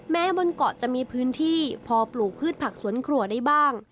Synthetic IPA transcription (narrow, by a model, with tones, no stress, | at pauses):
mɛː˦˥bɔ˧nkɔ˨˩t͡ɕa˨˩miː˧pʰɯː˦˥nt̪ʰiː˥˩pʰɔː˧pluː˨˩k̚pʰɯː˥˩t̪̚pʰa˨˩k̚su˨˩˦ənkʰɾu˧˩ɐda˥˩jbaː˥˩ŋ